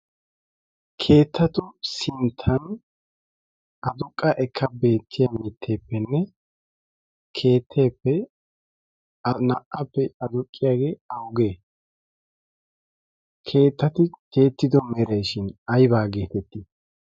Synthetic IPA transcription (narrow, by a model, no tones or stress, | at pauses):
kʰe̞ːt̪ːɐt̪ʊsɪnt̪ʰːɐn | ɐd̪ʊkʼːɐʔɛkʰːɐbe̞ːt̪ʰːɪjɐmɪt̪ʰːeːpːɛnːɛ | kʰe̞ːt̪ʰːeːpːɛ | nɐʔɐpːɛɐd̪ʊkʼːɪjaːɡeːɐwɡeː | kʰe̞ːt̪ːɐt̪ɪkʰe̞ːt̪ːɪd̪ɔmɛɾejʃɪnɐjbaːɡe̞ːt̪ɛt̪ːi